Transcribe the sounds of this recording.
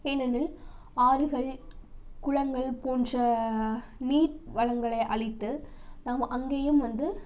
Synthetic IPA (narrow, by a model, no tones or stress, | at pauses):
enɐnɪl | aːɾɯɣɐɭ | kʊɻɐŋɡɐɭpoːndrɐ | niːʈʋɐɻɐŋɡɐɭɐɪʔɐɭɪt̪ːɯnaːmɐʔɐŋɡeːjɯmʋɐnd̪ɯ